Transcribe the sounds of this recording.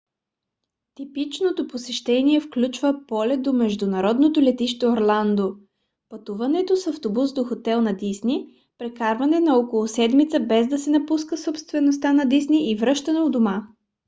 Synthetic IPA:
t̪ipit͡ʃnot̪oposɛʃt̪ɛniɛfklʲut͡ʃvəpɔlɛd̪omɛʒd̪unɐɾɔd̪not̪olɛt̪iʃt̪ɛoɾlˠand̪o | pɐt̪uvɐnɛt̪osɐft̪obusd̪oxot̪ɛlˠnɐd̪isni | pɾɛkaɾvɐnɛnɐɔkolˠʊsɛd̪mit̪səbɛzd̪ɐsɛnɐpuskəsopst̪vɛnost̪anɐd̪isniʔivɾɤʃt̪ɐnɛod̪oma

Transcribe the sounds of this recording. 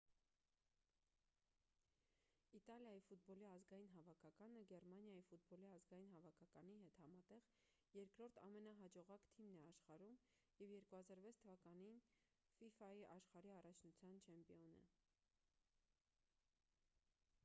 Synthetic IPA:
it̪ɑljɑjifut̪̚bɔliɑzɡɑjinɦɑvɑkʰɑkɑnəɡɛrmɑnjɑjifut̪̚bɔliɑzɡɑjinɦɑvɑkʰɑkɑniɦɛt̪hɑmɑt̪ɛʁ | jɛɾkɾɔɾt̪ʰɑ̰mɛnɑɦɑd͡ʒɔʁɑkt̪ʰimnɛɑʃχɑɾum | jɛvjɛɾkuhɑzɑɾvɛt͡sʰt̪ʰəvɑkɑnin | fifɑjiʔɑʃχɑɾiɑrɑt͡ʃʰnut͡sʰjɑnt͡ʃʰɛmpiɔnə̰

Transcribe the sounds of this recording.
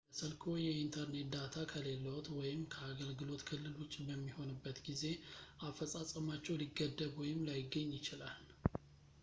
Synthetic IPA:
əsəlkʰo̞jɛint̪ʰəɾne̞t̪̚d̪at̪ʰakʰəle̞lːəwt̪wɔjɪmkʰəaɡəlɡɨlo̞t̪kʰɨlːɨlwʊt͡ʃʼːbəmːiho̞nɨbːət̪ɡize̞ʔafːəsʼasʼəmat͡ʃːɛwliɡːəd̪ːəβwɔjɪmlajɪɡːəɲːjɪt͡ʃɪlal

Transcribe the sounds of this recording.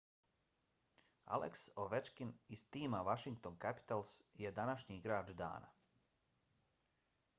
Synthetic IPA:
a̰lʔḛksoʋet͡ʃkinist̪iːmaʋaʃiŋkt̪onkapi̥t̪alˠsje̞d̪anaʃɲiɡɾaːd͡ʒd̪a̰ːna̰

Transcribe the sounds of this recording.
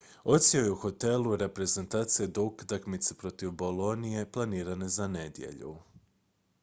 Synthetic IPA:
o̞t̪siojeuxo̞t̪e̞lˠuɾe̞pɾe̞ze̞nt̪aːt̪sijed̪oukt̪akmit̪sepɾo̞t̪iʋbo̞lˠo̞nije̞plˠaniːɾane̞zane̞d̪jḛʎṵ

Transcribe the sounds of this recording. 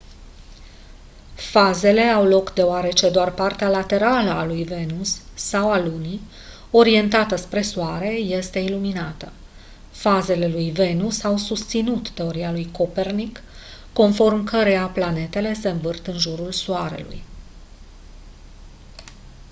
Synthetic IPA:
faze̞le̞awlo̞kd̪e̞oaɾe̞t͡ʃe̞d̪oarpart̪ealat̪e̞ɾaləalujve̞nusːawaluni | o̞ɾie̞nt̪at̪əspɾe̞suaɾe̞je̞st̪e̞iluminat̪ə | faze̞le̞lujve̞nusawsust̪sinut̪t̪e̞o̞ɾialujko̞pe̞rnikː | o̞nfo̞rmkəɾe̞japlane̞t̪e̞le̞se̞ɨɱvɨrt̪ɨnʒuɾulsuaɾe̞̰lṵj

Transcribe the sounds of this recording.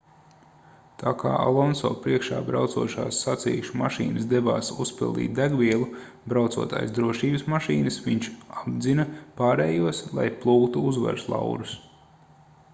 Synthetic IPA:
t̪ʰaːka̰ːʔalˠɔnsɔ̰ːpɾiɛkʃa̰ːbɾawt̪suɔʃaːsːat̪sḭːʃumaʃḭːnɨsd̪ebaːsuspḭlˠd̪ḭːt̪̚d̪æɡʋiɛlˠu | bɾawt̪sṵɔt̪a̰ːjsd̪ɾuɔʃiːbɪsmaʃiːnɐsʋiɲt͡ʃab̪zinɐpaːɾeːjuɔslˠa̰jplˠuːkt̪uuzʋa̰ɾslˠa̰wɾus

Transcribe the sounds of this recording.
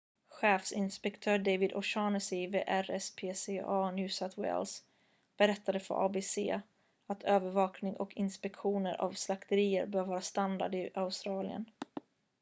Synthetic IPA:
ɧeːfsɪnspɛkt̪ʰœːɖejvɪd̪ʔɔʂɑːnəsɪvḛːʔæɾɛspʰeːseːʔɑːnjʉːsat̪ʰwɛ̰ls | b̥ɛɾɛt̪ːad̪əfœ̰ɾʔɑ̰ːbeːsḛː | at̪ʰøːvəɾvɑːknɪŋʔɔ̰kʰɪnspɛkɧuːnəɾʔa̰vslakt̪əɾiːə̰ɾbøːɾvɑːɾast̪and̪a̰ɖ̪ɪʔaʊst̪ɾɑːlɪ̰ə̰n

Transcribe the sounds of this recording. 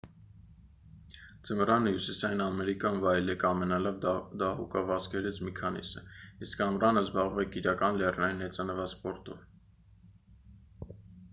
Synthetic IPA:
d͡zəmɾɑnəhjusisɑjinɑmɛɾikjɑnvɑjlɛkɑmɛnɑlɑvd̪ɑhṵkɑvɑskʰɛɾit͡sʰmikʰɑnḭsə̰iskɑmɾɑnəzbɑʁuvɛkiɾɑkɑnlɛrnɑjinɛt͡sɑnəvɑspɔɾt̪ɔ̰v

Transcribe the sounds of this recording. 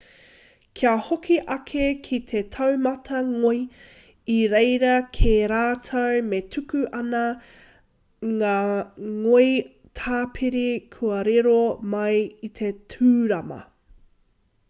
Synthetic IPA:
kʰiɐhokʰiʔɐkʰekʰit̪ʰet̪ʰɐwmɐtʰɐŋoi | iɾejɾɐkʰeɾaːtʰɐwmetʰʉkʉʔɐnɐ | ŋaːŋoi | tʰaːpʰiɾikʰuɐɾeɾomɐjit̪ʰetʰʉːɾɐmɐ̰

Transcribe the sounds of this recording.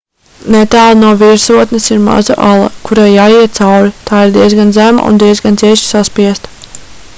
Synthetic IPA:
nɛt̪aːlˠnuɔviɾsuɔt̪nesiɾma̰za̰ʔalˠa̰kuɾaːjaːjiɛt̪t̪sawɾit̪aːiɾd̪iɛzɡanzæma̰ʔṵnd̪iɛzɡant̪siɛʃi̥saspiɛst̪

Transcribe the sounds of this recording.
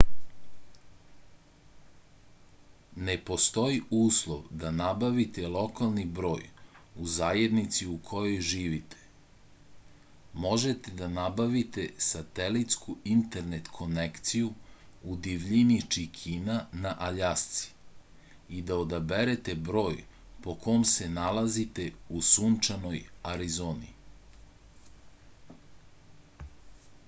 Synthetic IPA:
nepo̞st̪o̞iuːslˠoʋd̪anabaʋit̪elˠo̞kalˠnibɾo̞̰ːjuzaːje̞d̪nit̪siukʰo̞jojʒiːʋit̪ʰe̥ | mo̞ʒet̪e̞d̪anabaʋit̪e̞sat̪elit̪skuint̪e̞ɾne̞t̪kʰo̞nekt̪sijuud̪iʋʎinit͡ʃikʰinanaʔaʎast̪si̥ | id̪aod̪abeɾet̪e̞bɾo̞ːj | po̞kʰo̞mse̞nalazit̪e̞usunt͡ʃano̞jaɾizoːnḭ

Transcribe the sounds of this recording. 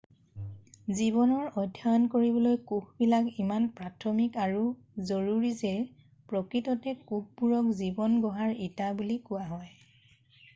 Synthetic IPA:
ziβɔnɔɹɔdʱjankoɹibɔlojkuxbilakimanpɹatʰɔmikaɹu | zoɹuɹizɛ | pɹɔkɹitɔtɛkuxbuɹɔkzibɔnɡɔɦaɹitabulikʊwaɦɔj

